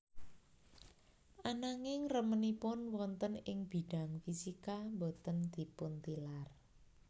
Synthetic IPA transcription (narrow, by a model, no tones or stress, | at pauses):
ʔanaŋɪŋrəmənipʊnwɔnt̪ənɪŋb̥i̤ɖ̥a̤ŋfisikambot̪ənd̪̥i̤pʊnt̪ilar